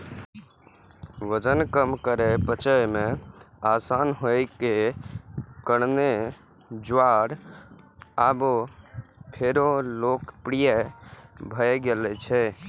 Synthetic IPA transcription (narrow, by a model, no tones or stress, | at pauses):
ʋəd͡ʒənkəmkəɾepət͡ʃəjmẽ | asanɦojke | kəɽne | d͡ʒaɾ | abo | pʰeɾolokpɾijɛ | bʱəjɡelɛt͡ʃʰɛ